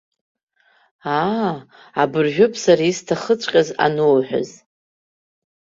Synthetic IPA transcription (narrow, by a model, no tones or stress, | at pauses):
a | abɨrʒᶣʊpʰʼsaɾaistʰaχət͡ɕʷʼqʲʼaza̰nowħʷᶣa̰z